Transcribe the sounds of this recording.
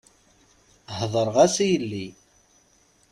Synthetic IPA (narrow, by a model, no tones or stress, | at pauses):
hðˤəɾˤʁæsijəlːi